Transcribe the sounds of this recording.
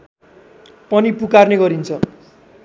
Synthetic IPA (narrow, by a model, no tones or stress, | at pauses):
pʌnipukarneɡʌɾint͡sʰʌ